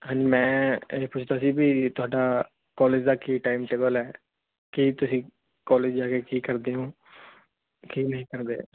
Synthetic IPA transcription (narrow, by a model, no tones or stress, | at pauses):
ɦə̃nd͡ʒmɛ̃ːpʊt͡ʃʰd̪aːəsĩːbiːt̪ʊaːɖaː | kɔːleːd͡ʒd̪aːkiːʈaːimʈeːbəlɛː | kiːt̪ʊsĩː | kɔːleːd͡ʒaːkeːkiːkəɾd̪eːɦõː | kiːnəɦĩːkəɾd̪ḛː